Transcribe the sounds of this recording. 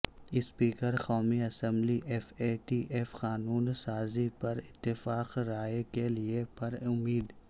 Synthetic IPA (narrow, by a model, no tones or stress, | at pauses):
ɪspiːkəɾxɔːmiɐsɛ̃mbliʔɛfeːʈiːʔeːfxaːnuːnsaːzipɐɾɪt̪ːɪfaːqɾaːekeliepɐɾʊmːiːd̪